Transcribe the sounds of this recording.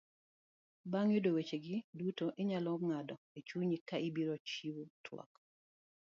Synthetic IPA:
baŋjodowet͡ʃeɡɪdutoʔɪɲalɔŋadɔet͡ʃuɲikaʔibiɾot͡ʃiwutʰwɔ̰k

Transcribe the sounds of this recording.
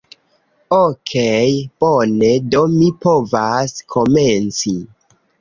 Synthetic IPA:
okʰejb̥one̞do̞mipo̞vaskʰo̞ment͡si

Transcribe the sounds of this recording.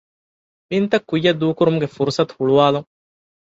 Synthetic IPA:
mint̪ɐkːujːɐd̪ːuːkuɾumuɡefuɾusɐt̪u̥huɭuʋaːluŋ

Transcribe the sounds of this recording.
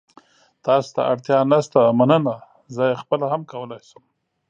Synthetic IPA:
t̪ɑst̪a̰ʔaɽt̪jɑnast̪amanəna | zəjexpəlahamkawəlɑjsəm

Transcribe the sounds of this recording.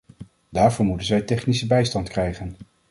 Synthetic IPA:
daːɹvʊːɹmutənzɛjtɛχnisəbɛjstɑntkrɛjχən

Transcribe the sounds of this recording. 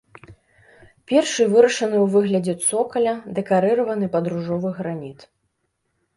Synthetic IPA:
pʲɛrʂɨvɨɾɐʂɐnɨwvɨɣlʲɐd͡zʲɛt̪sɔkɐlʲɐd̪ɛkaɾɨɾɐvɐnɨpɐd̪ɾuʐɔvɨɣɾamʲit̪

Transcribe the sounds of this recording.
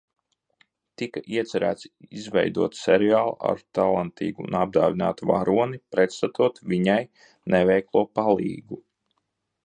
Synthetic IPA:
t̪ikaʔiɛt̪sɛɾæ̰ːt̪sizʋɛ̰jd̪uɔt̪sɛɾiaːlˠa̰ɾt̪alˠant̪ḭːɡuunab̚d̪aːvʲina̰ːt̪va̰ɾuɔnipɾɛt̪st̪at̪uɔt̪viɲaj | nɛvɛjklˠuɔpalˠḭːɡu

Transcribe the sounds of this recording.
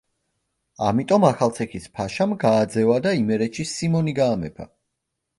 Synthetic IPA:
amit̪ʼɔmaχalˠt̪sʰɛkʰispʰaʃamɡaːd̪zɛvad̪aimɛɾɛt͡ʃʰisimɔniɡaːmɛpʰa̰

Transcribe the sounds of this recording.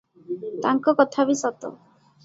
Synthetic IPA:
t̪aŋkɔkɔt̪ʰabisɔt̪o̰

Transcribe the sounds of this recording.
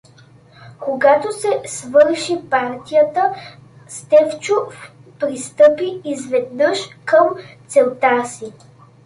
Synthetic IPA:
koɡat̪osɛsvɤɾʃipaɾt̪ijət̪ə | st̪ɛft͡ʃof | pɾist̪ɤpiːzvɛd̪nɤʃkəmt̪sɛlˠt̪asi

